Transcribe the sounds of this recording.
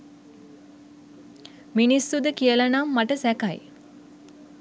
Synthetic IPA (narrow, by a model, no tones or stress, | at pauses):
minisːud̪əkiəlanamːaʈəsækaj